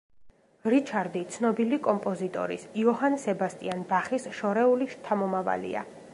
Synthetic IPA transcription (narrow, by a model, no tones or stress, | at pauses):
ɾit͡ʃʰaɾd̪it̪sʰnɔbilikʼɔmpʼɔzit̪ʼɔ̰ɾḭsiɔɦansɛbast̪ʼianbaχisʃɔɾɛuliʃt̪ʰamɔmava̰lḭa̰